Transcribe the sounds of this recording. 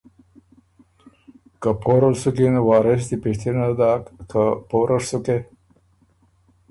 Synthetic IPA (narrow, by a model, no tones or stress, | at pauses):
kapʰoɾalsukinwɑːɾes̬d̪ipiʂt̪ʰinad̪akapoɾʔaʂsuke